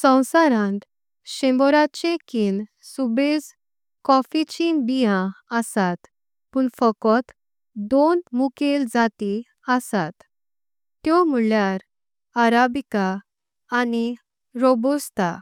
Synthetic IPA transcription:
sə̃w̃saɾãnt̪ | ɕẽmbɔɾat͡ɕekin | subed͡z | kɔfit͡ɕinbijãəsat̪ | puɳfəkɔt̪ | d̪onmukeld͡zat̪i | əsat̪ | t̪jɔm̤uɭjaɾ | aɾabikaː | ni | ɾobust̪a

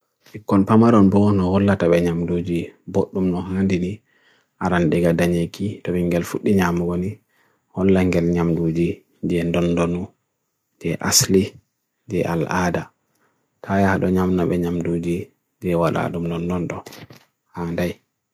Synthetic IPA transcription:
t͡ʃikːɔlpamaɾɔnbɔnɔhɔlːataɓɛɲamdud͡ʒiboɗːumnɔɦandini | ʔaɾanɗɛɡadaɲekitɔɓɛŋɡɛlfuɗːiɲamuɡɔni | hɔlːaŋɡɛlɲamdud͡ʒi | d͡ʒɛndɔndɔnu | d͡ʒɛʔa̰sli | d͡ʒɛʔa̰lada | tʰajahaɗɔɲamnaɓɛɲamdud͡ʒi | d͡ʒɛwala̰ɗumdɔndɔnɗɔ | handaj

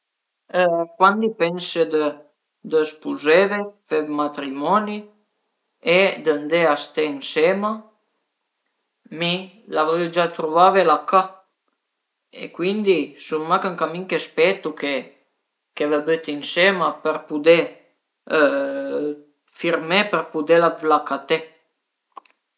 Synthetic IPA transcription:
əkwand̪ipɛnsəd̪ə | d̪əspuzevefevmat̪ɾimɔni | ed̪ənd̪east̪einsema | mi | lavɔd͡ʒat̪ɾuvavelaka | ḛkwind̪isuŋmakaŋkamiŋkespet̪uke | kevebøt̪insemapəɾpud̪e | fiɾmepərpud̪elavlakat̪e

